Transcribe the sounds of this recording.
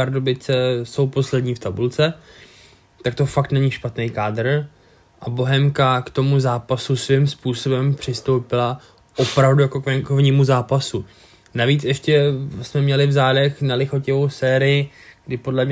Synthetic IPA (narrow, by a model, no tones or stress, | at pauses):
aɾdobɪt͡sɛso̞wpo̞slɛdɲiːft̪abult͡sɛ | t̪ak̚t̪o̞fak̚t̪nɛɲiʃpat̪nɛjkaːdr̩ | ʔabo̞ɦɛmkakt̪o̞muzaːpasusvɪmspuːso̞bɛmpr̝̥ɪst̪o̞wpɪla | ʔo̞pɾavdujako̞kvɛŋkovɲiːmuzaːpasu | naviːt͡sɛʃcɛsmɛmɲɛlɪvzaːdɛxnalɪxo̞cɛvo̞wsɛːɾɪjɪɡdɪpo̞dlɛmɲ